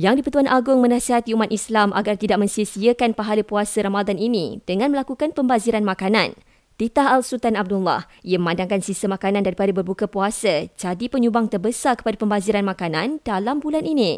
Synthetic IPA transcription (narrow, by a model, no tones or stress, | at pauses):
jaŋdipət̪uanʔaɡʊŋmənãsiɦat̪iumat̪islamʔa̰ɡart̪idaʔ̚mə̃ɲsiəsiəkanpaɦaləpuasaɾamadaninḭ̃d̥əŋãnməlakukanpəmbaziɾanmãkanã̰n | t̪it̪aɦalsut̪anab̚dulːa̰h | ijaməmãndaŋkansisəmakanãndaɾipadabərbukapuasad͡ʒadipəɲubaŋt̪ərbəsarkə̥padapəmbaziɾanmãkanãnd̥alambulanʔinĩ